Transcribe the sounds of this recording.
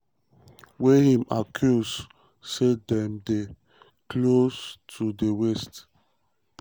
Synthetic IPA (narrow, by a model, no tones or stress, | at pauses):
wehĩmakʰjus | sedɛ̃mde | kʰlostʰudewɛst